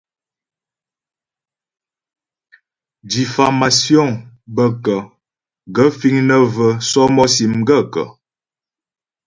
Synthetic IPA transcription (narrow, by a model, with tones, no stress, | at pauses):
di˨fa˨ma˨sjɔ˦˨ŋ | bə˦kə˨ | ɡə˦fi˦ŋnə˦və˦sɔ˦mɔ˦si˨mɡə˦kə̰˨